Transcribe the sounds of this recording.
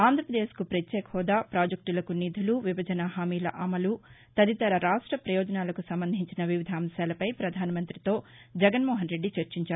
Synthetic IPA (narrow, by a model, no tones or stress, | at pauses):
aːnd̪ʱɾɐpɾɐd̪eːskupɾɐt͡ʃ̪ːeːkhɔːd̪aːpɾaːd͡ʒɐk̚ʈulɐkunid̪ʱuluʋibɐd͡ʒɐnɐɦaːmiːlɐ̰ʔɐmɐlut̪ɐd̪it̪ɐɾɐɾaːʂʈɾɐpɾɐjɔːd͡ʒɐnaːlɐkusɐmbɐnd̪ʱiɲt͡ʃinɐʋiʋid̪ʱaːmɐʃjaːlɐpɐjpɾɐd̪ʱaːnɐmɐnt̪ɾit̪o̞ːd͡ʒɛɡɐnmɔːɦɐnɾe̞ɖːit͡ʃɐɾt͡ʃiɲt͡ʃaːɾu